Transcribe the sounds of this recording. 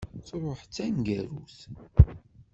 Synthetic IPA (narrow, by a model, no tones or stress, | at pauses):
t͡sɾˤoħt͡sːænɡæɾuθ